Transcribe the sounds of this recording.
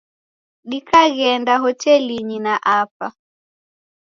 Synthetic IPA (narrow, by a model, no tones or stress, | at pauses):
ɗikaɣɛndaɦɔtɛliɲinaʔapa